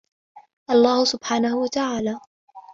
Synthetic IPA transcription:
ʔɑlˤːaːhʊsʊbħaːnahʊwat̪aʕaːlaː

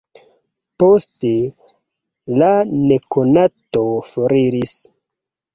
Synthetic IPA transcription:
poste | lanekonatofoɾiɾis

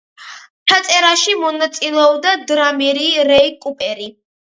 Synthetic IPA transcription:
t͡ʃʰat̪sʼɛɾaʃimɔnat̪sʼilɛɔbd̪ad̪ɾamɛɾiɾɛikʼupʼɛɾi

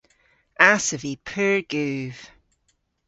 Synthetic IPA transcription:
asəvipʰəɹɡ̥ʉːv̥

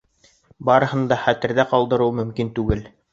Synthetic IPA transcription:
bɑɾɤ̆hɤ̆nd̪ɑχæt̪ɘ̆ɾðæqɑlˠd̪ɤ̆ɾɤwmɵ̆mkint̪ʉɡɘl

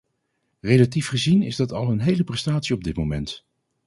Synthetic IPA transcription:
rejlatifχəzinɪ̰zdɑtɑlˠənɦejləprɛstaːtsiɔb̚dɪt̚momɛnt

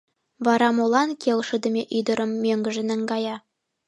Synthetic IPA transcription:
bɑɾɑmolˠɑnkʰʲelˠʃə̆d̪ɘ̆mʲeʔɵjd̪ə̆ɾɤ̆mːʲøŋɡɘ̆ʒɘ̆nɘ̆ŋɡɑjɑ

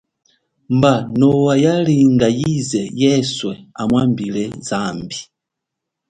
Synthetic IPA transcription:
mbanɔwajaliŋɡajizɛjɛswɛamwambilɛzambi

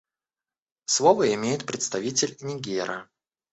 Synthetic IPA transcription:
slˠovəɪmʲejɪt̪̚pɾʲɪt̪st̪ɐvʲitʲɪlʲnʲɪɡʲeɾʔə

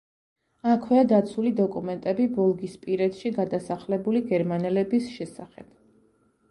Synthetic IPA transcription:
akʰwɛad̪at̪sʰulid̪ɔkʼumɛnt̪ʼɛbibɔlˠɡispʼiɾɛt̪ʃiɡad̪asaχlɛbuliɡɛɾmanɛlɛbisʃɛsaχɛ̰b̥

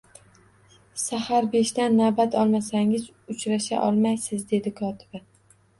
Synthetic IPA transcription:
sahaɾbe̞ʃd̪anːabat̪ʰɒlˠmasaŋɪz | ʊt͡ʃɾaʃa̰ʔɒlˠmajsɪzd̪e̞d̪ɪkʰɒt̪ʰɪba

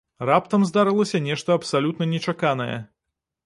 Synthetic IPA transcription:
rapt̪ɐmzd̪aɾɨlˠɐsʲɐnʲɛʂt̪ɐɐpsalʲut̪nɐnʲɛt͡ʂakanɐjɛ̰

